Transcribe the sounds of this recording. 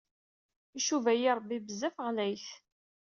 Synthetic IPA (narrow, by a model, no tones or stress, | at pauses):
iʃuvæjiɾˤbːibəzæfəʁlæjθ